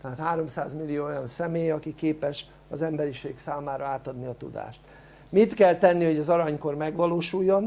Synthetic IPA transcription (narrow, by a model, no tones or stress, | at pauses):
t̪ɛɦat̪haːɾo̞msaːzmilːijoːojɒnsɛmeːjɒkikeːpɛʃ | ɒ̰zɛmbɛɾiʃeːksaːmaːɾɒaːt̪ɒd̪niɒt̪ṵd̪a̰ːʃt̪ | mit̪kɛlt̪ɛnːiho̞ɟɒzɒɾɒɲko̞rmɛɡʋɒloːʃujːo̞n